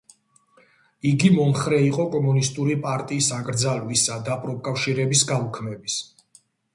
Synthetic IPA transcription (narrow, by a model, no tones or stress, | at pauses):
iɡimɔmχɾɛiqʼɔkʼɔmunist̪ʼuɾipʼaɾt̪ʼiːsakʼɾd̪zalwisad̪apʼɾɔp̚kʼafʃiɾɛbisɡaukʰmɛbis